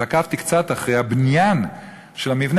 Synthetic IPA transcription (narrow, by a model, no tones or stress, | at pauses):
akaft̪ikt͡sat̪aχʁejhabnjan | ʃelamivn